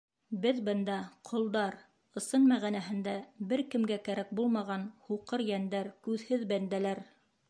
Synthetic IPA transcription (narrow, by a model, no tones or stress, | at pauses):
bɘðbɤ̆nd̪ɑqʰŏlˠd̪ɑɾ | ɤ̆sɤnmæʁænæɦɘ̆nd̪æbɘɾkɘ̆mɡækæɾæk̚bulˠmɑʁɑnhuqɤɾjænd̪æɾkʉðhɘðbænd̪ælæɾ